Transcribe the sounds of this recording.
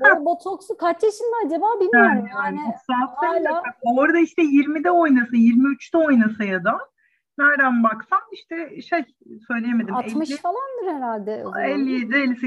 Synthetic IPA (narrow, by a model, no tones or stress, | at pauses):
abot̪ʰoksukʰat͡ʃaʃɯnd̪ɛad͡ʒabaːbilʲaaːnit͡ʃʰoksat̪aak̚oɾad̪aiʃt̪ʰɛjiɾmid̪ɛo̞jnasɯjiɾmiyt͡ʃt̪ʰɛo̞jnasɯjad̪a | næɾd̪ænbaksamiʃt̪ʰɛʃej | sø̞jlʲejeme̞d̪imɛlmɯʃfalˠand̪ɯɾheɾalʲd̪ɛɛlʲːijed̪ɾelʲːisi